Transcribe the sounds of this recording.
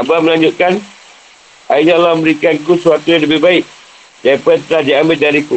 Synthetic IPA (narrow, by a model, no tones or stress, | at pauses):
abaməlaɲd͡ʒʊt̪̚kan | aiɲalɔməmbəɾikankusuat̪ujaŋləbɪɦbaɪʔ̚ | d͡ʒapət̪əlad͡ʒaambɪt̪̚daɾiku